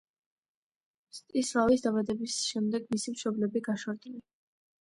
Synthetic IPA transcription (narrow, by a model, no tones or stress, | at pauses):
st̪ʼisʁavis̬d̪abad̪ɛbisʃɛmd̪ɛɡmisimʃɔblɛbiɡaʃwaɾd̪ʼili